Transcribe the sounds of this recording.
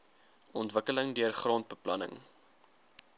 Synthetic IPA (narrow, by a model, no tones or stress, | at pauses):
ʔɔntvəkələŋdiərχrɑːnt̚bəplɐnə̰ŋ